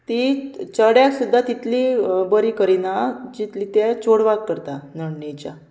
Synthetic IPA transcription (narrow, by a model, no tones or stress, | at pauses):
t̪it͡ɕəɽjaksud̪ːat̪it̪libəɾikəɾinad͡ʑit̪lit̪at͡ɕoɽʋakːəɾt̪anəɳnet͡ɕa